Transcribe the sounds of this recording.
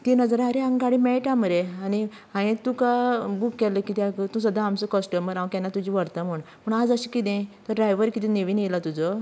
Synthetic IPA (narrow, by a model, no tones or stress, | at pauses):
t̪inəd͡zɾaɾeãŋɡaɽimɛʈaməɾeani | aɽ̃it̪ũkabukːɛləkit̪akt̪ũs̬əd̪ʱːãamt͡səkəsʈəməɾãʋkɛ̃nːat̪ud͡ʑiʋəɾt̪am̤əɳ | pəɳad͡zəɕikit̪ẽt̪əɖɾajʋəɾkit̪̬ĩneʋiːnelat̪ud͡zɔ